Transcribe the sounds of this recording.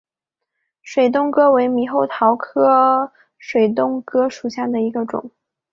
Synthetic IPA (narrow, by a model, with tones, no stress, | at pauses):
ʂwe˨˩ɪt̪̬ʊ˥˧ŋkɤ˥we˧˥ɪmi˧˥xo˥˩ʊt̪ʰɑ˧˥ʊkʰɤ˥ | ʂwe˨˩ɪt̪̬ʊ˥˧ŋkɤ˥ʂu˨˩ɕja˥˩d̪ə˩i˧˥ɡə˧ʈ͡ʂʊ̰˨˩˦ŋ